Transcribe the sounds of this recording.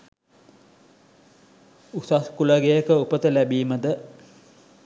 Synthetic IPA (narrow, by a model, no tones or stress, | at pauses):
usaskulaɡejəkəupət̪əlæbiːməd̪ə